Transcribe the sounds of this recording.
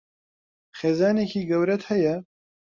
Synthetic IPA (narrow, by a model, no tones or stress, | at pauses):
xeːzaːneːkiːɡɐwɾɐt̪hɐjɐ